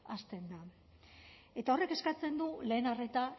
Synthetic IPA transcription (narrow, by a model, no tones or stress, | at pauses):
ast̪e̞nd̪a | e̞t̪ao̞re̞ke̞skat͡se̞nd̪ule̞ːnare̞t̪a